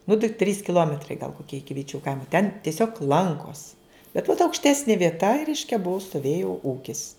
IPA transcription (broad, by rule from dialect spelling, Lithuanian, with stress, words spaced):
nʊ tɐɪ tʲrʲiːs kʲɪˈlˠoːmʲɛtrɐɪ ɡɐlˠ koːˈkʲiɛ ˈɪkʲɪ ʋʲɪˈt͡ʃʲuː ˈkɐɪmoː tʲɛn tʲiɛˈsʲoːk ˈlˠɐŋkoːs bʲɛt ʋɐt ɐʊkʃʲˈtʲæːsʲnʲɪ ʋʲiɛˈtɐ ɪ ˈrʲɛɪʃʲkʲɛ ˈbʊʊ stoːˈʋʲeːjʊ ˈuːkʲɪs